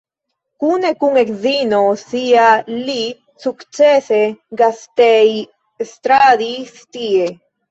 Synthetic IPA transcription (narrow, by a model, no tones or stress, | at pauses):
kunekuŋekzinosiali | sukt͡ʃeseɡast̪ej | st̪ɾaðist̪ie